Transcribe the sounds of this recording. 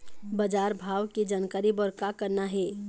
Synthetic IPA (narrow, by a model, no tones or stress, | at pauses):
bəd͡ʒaːɾbʱaːwked͡ʒaːnkaːɾibəɾkakəɾnaɦɛː